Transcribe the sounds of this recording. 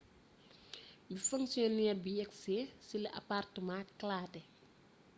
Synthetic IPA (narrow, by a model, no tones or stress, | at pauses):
bifuŋsjɔniɛbijɛksɛːsiliʔɐ̰partəmãklaːtɛ